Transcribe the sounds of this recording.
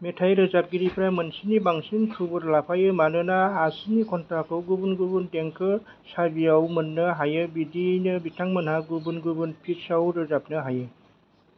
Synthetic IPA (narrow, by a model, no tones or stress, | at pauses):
metʰajɾɯzap̚ɡiɾipʰɾamɯnsinibaŋsinkʰubɯɾlapʰajɯmanɯnaːsinikʰɔntʰakʰɯwɡubunɡubundeŋkʰɯ | sabiawmɯnːɯɦajɯbidinɯbitʰaŋmɯnhaɡubunɡubunpʰit̚sawɾɯzapnɯɦajɯ